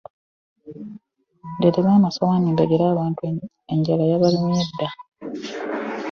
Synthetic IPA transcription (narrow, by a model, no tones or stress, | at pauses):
deteβaːmasawaniːmbeɡeɾaːβaːntu | eɲɟalajaβalimjedːa